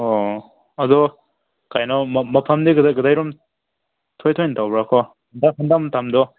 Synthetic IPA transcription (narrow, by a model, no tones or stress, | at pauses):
ɔ | ɐdɔ | kajnɔmmɐpʰamdeɡɯdajɡɯdajɾum | tʰojtʰojntawbɾakʰɔ | ndaɦɯndamtamdɔ